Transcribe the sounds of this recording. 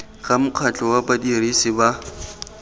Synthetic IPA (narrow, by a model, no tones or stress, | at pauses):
ɣʼamʊq͡χʰat͡ɬʼɔwabadirisɪba